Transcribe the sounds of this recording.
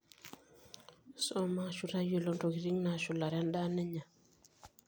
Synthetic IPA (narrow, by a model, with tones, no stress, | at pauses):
so˦ma˦ʃu˦ɾa˦jo˨lo˦nto˨ki˨ɾi˦ŋna˨ʃu˨la˨ɾja˦nda˦nɛ˦ɲa˨